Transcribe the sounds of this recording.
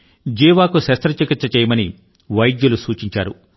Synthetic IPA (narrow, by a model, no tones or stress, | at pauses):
d͡ʒiːʋaːkusɐst̪ɾɐt͡ʃɐkit̪sɐt͡ʃɛːjɐmɐni | ʋɐjd̪julusuːt͡ʃiɲt͡ʃaːɾṵ